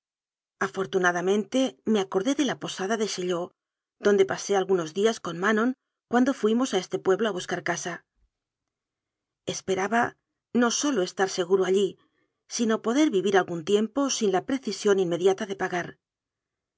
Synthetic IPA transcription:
afo̞ɾt̪unaðamẽ̞nt̪e̞meako̞ɾðe̞ðe̞lapo̞saðaðe̞ʃeʎo̞ | ðond̪e̞pase̞alɣuno̞zðiasko̞nmanõ̞ŋ | kwand̪o̞fwimo̞sae̞st̪e̞pwe̞βloaβ̞uskaɾkasa | e̞spe̞ɾaβa | no̞so̞loe̞st̪aɾse̞ɣ̞uɾoaʎi | sino̞po̞ðe̞ɾβiβiɾalɣunt̪je̞mpo̞sinlapɾe̞θisjo̞ninme̞ðjat̪aðe̞paɣaɾ

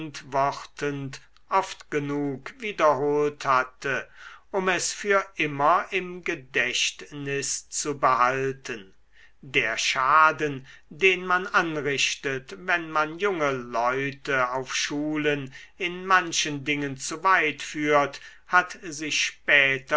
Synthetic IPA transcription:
ntvɔχtənt | ʔɔftɡ̥ənuːkviːdɐɦoːlthatʰəʔʊmɛsfyːɐʔɪmɐʔɪmɡədɛʃtnɪst͡subəhaltən | deːɐʃaːdən | deːnmananʁɪʃtətvɛnmanjʊŋəlɔʏtəaʊfʃuːlənɪnmanʃəndɪŋənt͡suvaɪtfyːɐt | hatzɪçʃpɛːt

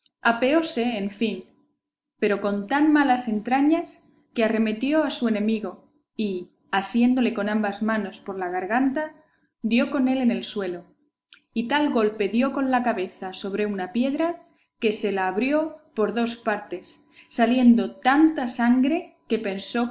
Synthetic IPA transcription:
ape̞o̞se̞ːɱfin | pe̞ɾo̞ko̞nt̪anmalase̞nt̪ɾaɲas | keare̞me̞t̪jo̞asue̞nẽ̞miɣo̞ | i | asje̞nd̪o̞le̞ko̞nãmbazmano̞spo̞ɾlaɣ̞aɾɣ̞ant̪a | djo̞ko̞ne̞le̞ne̞lswe̞lo̞ | it̪alɣo̞lpe̞ðjo̞ko̞nlakaβe̞θaso̞β̞ɾe̞unapje̞ðɾa | ke̞se̞laːβɾjo̞po̞ɾðo̞spaɾt̪e̞sː | alje̞nd̪o̞t̪ant̪asaŋɡɾe̞ke̞pe̞nso̞

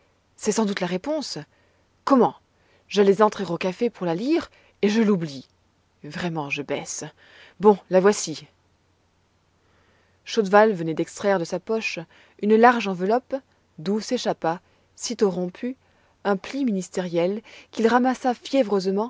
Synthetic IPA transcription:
sɛsɑ̃d̪ut̪laʁepɔ̃s | kɔmɑ̃ | ʒalɛzɑ̃t̪χeʁokafepuʁlaliʁ | eʒəlubli | vʁɛmɑ̃ʒəbɛs | bɔ̃lavwasi | ʃod̪valvənɛd̪ɛkst̪χɛʁd̪əsapɔʃ | ynlaʁʒɑ̃vəlɔp | d̪useʃapa | sit̪oʁɔ̃pʰy | ɛ̃pliminist̪eʁjɛlkʲilʁamasafjɛvʁøzmɑ̃

